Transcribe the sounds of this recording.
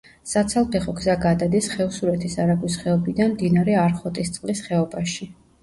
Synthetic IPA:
sat̪sʰalˠpʰɛχɔɡzaɡad̪ad̪isχɛusuɾɛt̪ʰisaɾaɡwisχɛɔbid̪anmd̪inaɾɛaɾχɔt̪ʼist̪sʼlisχɛɔbaʃi

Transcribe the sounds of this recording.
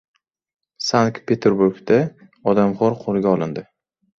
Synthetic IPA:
sankpʰe̞t̪ʰeɾbuɾɡd̪a | ɒd̪amʁɒɾqʰolˠɡʲaɒlˠɪnd̪ɪ

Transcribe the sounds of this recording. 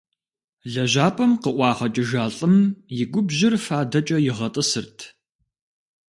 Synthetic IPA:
ɮɐʒaːpʰʼɐmqəʔʷɑːχɐt͡ʃʼɪʒaːɬʼɨmjɪɡʷʊbʑɪrfaːdɐt͡ʃʼɐjɪʁɐtʼɨsɨrtʰ

